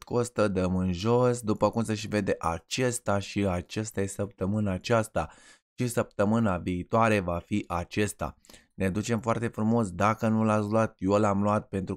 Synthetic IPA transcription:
t̪ko̞st̪əd̪əmɨnʒo̞sd̪upəkumseʃive̞d̪e̞ʔat͡ʃest̪aʃiat͡ʃast̪ajesəp̚t̪əmɨnaːt͡ʃast̪a̰ | ʃisəp̚t̪əmɨnaviːt̪oaɾe̞vafiʔat͡ʃest̪a̰ | ned̪ut͡ʃe̞mfoart̪e̞fɾumo̞sd̪akənulat̪sluat̪̚jo̞lamluat̪̚pe̞nt̪ɾu

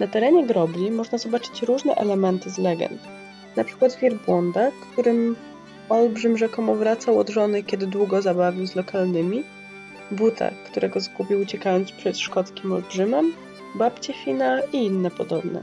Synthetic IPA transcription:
nat̪ɛɾɛɲɛɡɾɔblʲimɔʐnazɔbat͡ʂɘ̥t͡ɕɾuʐnɛ̰ʔɛlɛmɛnt̪ɘzlɛɡɛ̰nt̪ | napʂɘ̥kwad̪vʲjiɾbwɔnd̪akt̪uɾɘm | ɔlbʐɘmʐɛkɔmɔvɾat̪sawɔ̰d̪ʐɔnɘkʲɛd̪ɘd̪wuɡɔzabavʲiwzlɔkalnɘmʲi | but̪ʰa̰t̪uɾʔɛɡɔzɡupʲiwut͡ɕɛkajɔnt̪spʂɛt̪ʂkɔt̪skʲimɔlbʐɘmɛm | bapt͡ɕɛfʲinaiinːɛpɔd̪ɔbnɛ̰

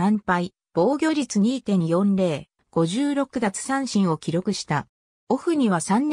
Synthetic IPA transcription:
ãmpai | b̥o̞ːɡʲo̞ːɾʲit͡sɨɲ̟iːt̪ẽ̞ɰ̃jõ̞nɾe̞ː | ɡ̥o̞ʑɨːɾo̞kɯ̟d̪at͡sɨ̥sãɰ̃ɕĩɰ̃o̞kʲiɾo̞kɯ̟ɕi̥t̪a | o̞ɸɯ̟ɲ̟iβasãnː

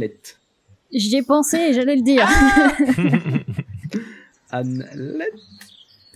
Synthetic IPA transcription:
lɛt̪ | ʒɛpɑ̃seːʒalɛləd̪iːʁ | anlɛt̪

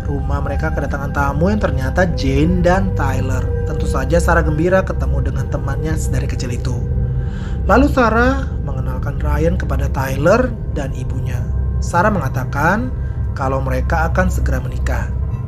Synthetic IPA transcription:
rumahməɾekakədat̪aŋant̪amujaŋt̪ərɲat̪ad͡ʒendant̪ajlərt̪ənt̪usad͡ʒasaɾaɡəmbiɾakət̪əmudəŋant̪əmanɲadaɾikət͡ʃilit̪u | lalusaɾa | məŋənalkanrajənkəpadat̪ajlər | danibuɲasaɾaməŋat̪akan | kalawməɾekaːkansəɡəɾamənika

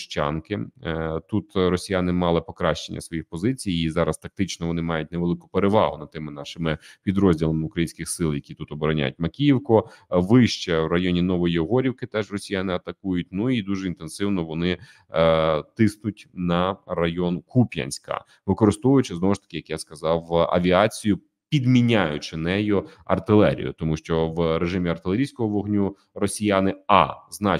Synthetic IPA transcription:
ʃt͡ʃɑ̰nkɪt̪ut̪ɾɔsʲijanɪmɑlˠɪpɔkɾɑʃt͡ʃenʲːɐ̰sʋɔjixpɔzɪt͡sʲijizɑɾɐst̪ɐk̚t̪ɪt͡ʃnɔʋɔnɪmɑjʊt̚ʲneʋelˠɪkʊ̥peɾeʋɑ̰ɦʊnɐt̪ɪmɪnɑʃɪmɪpʲid̪ɾɔzʲdʲilˠɐmʊkɾɐjinʲsʲkɪxsɪlˠjɐkʲit̪ut̪ɔbɔɾɐnʲa̰jʊtʲmɐkʲijiwkɔʋɪʃt͡ʃɛwrɐjɔnʲinɔʋɔjiɔɦɔɾʲiwkɪt̪ɛʒrɔsʲijanɪɐt̪ɐkujʊtʲnuid̪uʒɛint̪en̪sɪwnɔʋɔnɪ | t̪ɪsnʊtʲnɐrɐjɔnkupʲjɐ̰nʲsʲkɐ̰ | ʋɪkɔɾɨst̪ɔʋʊjʊt͡ʃɪznɔʋɔʃt̪ɐ̥kɪjɐkjaskɐzɑwɐ̰ʋʲiɑt͡sʲijʊ | pʲid̪mʲinʲajʊt͡ʃɪnɛjʊɐ̰rt̪ɪlˠɛ̰ɾʲḭjʊ̰t̪ɔmuʃt͡ʃɔʋɾeʒɪmʲiɐrt̪ɪlˠeɾʲijsʲkɔɦɔʋɔɦnʲu | rɔsʲijanɪɑ̰znɑ

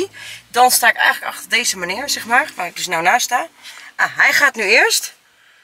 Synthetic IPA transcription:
dɔnstaːɪkɛ̰jŋələkɑ̰χtərdejzəmanɪəɹzɛχmaːɹʋaːrɪɡ̚dɵsnawnaːstaːaɦɛjχaːtnyɪəɹst

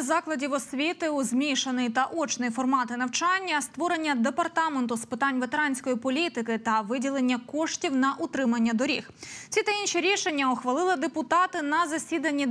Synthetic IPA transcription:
zɑklˠɐdʲiwɔsʲʋʲit̪ɪuzmʲiʃenɪjt̪ɐʔɔt͡ʃnɪjifɔrmɑt̪ɪnɐwt͡ʃɑnʲːɐst̪ʋɔɾe̞nʲːɐd̪e̞pɐrt̪ɑment̪ʊspɪt̪ɑnʲʋet̪eɾɑnʲsʲkɔjipɔlʲit̪ɪkɪt̪ɐʋɪdʲilˠe̞nʲːɐkɔʃtʲiwnɐʔʊt̪ɾɪmɐnʲːɐd̪ɔɾʲḭxt͡sʲit̪ɐinʃiɾʲiʃenʲːɐɔxʋɐlˠɪlˠɪd̪epʊt̪ɑt̪ɪnɐzɐsʲid̪ɐnʲːi

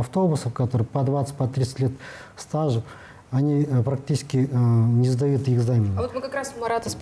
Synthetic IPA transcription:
ɐft̪o̞bʊsəfkɐt̪o̞ɾɨpɐd̪vat̪sə̥tʲpɐt̪ɾʲit̪sə̥t̪ʲlʲe̞t̪st̪aʐɨ | ɐnʲipɾɐk̚tʲit͡ʃɪ̥skʲɪnʲɪzd̪ɐjut̪ɪɡzamʲɪnot̪mɨkɐkɾasmɐɾat̪əs

